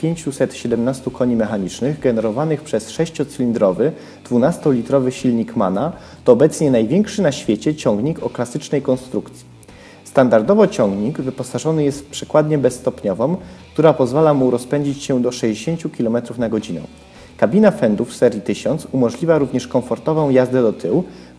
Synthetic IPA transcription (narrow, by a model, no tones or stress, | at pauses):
pʲjeɲt͡ɕusɛt̪ɕɛd̪ɛmnast̪ukʰɔɲimɛxaɲit͡ʂnɘɣɡɛnɛɾɔvanɘxpʂɛsʂɛɕt͡ɕɔt̪sɘlʲind̪ɾɔvɘ | d̪̥vunast̪ɔlʲit̪ɾɔvɘɕilɲikmana | t̪ɔːbɛt̪sɲɛnajvʲjɛŋkʂɘnaɕfʲjet͡ɕɛt͡ɕɔ̃ŋɡɲikɔklasɘt͡ʂnɛjkɔnst̪ɾukt̪sʲi | st̪and̪aɾd̪ɔvɔt͡ɕɔŋɡɲikvɘpɔsaʐɔnɘjɛst̪̚pʂɛkwad̪ɲɛbɛsːt̪ɔpɲɔvɔmk̚t̪uɾapɔzvalamuɾɔspɛɲd͡ʑit͡ɕɕɛd̪ɔʂɛʑd͡ʑeɕeɲt͡ɕukʲilɔmɛt̪ɾufnaɡɔd͡ʑinɛ̰̃ | kabʲinafɛnd̪ufsɛɾjit̪ɘɕɔnt̪sumɔʐlʲivʲjaɾuvɲɛʂkɔɱfɔɾt̪ɔvɔ̃w̃jazd̪ɛd̪ɔt̪ʰɘw